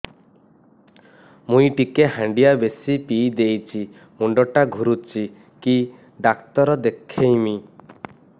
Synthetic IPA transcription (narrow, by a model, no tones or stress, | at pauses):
mũjʈikeɦãɳɖijabesipijd̪ejt͡ʃʰi | muɳɖɔʈaɡʱuɾut͡ʃʰi | ki | ɖakt̪ɔɾɔd̪ekʰːejmi